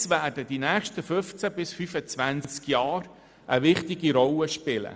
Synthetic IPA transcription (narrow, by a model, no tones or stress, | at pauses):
sʋæːrdədinɛːχʃtəfɵft͡sæbɪsfyfət͡sʋænt͡skjɑːɾ | ʔəʋɪχt̪ɪɡiɾɔləʃpɪlə̰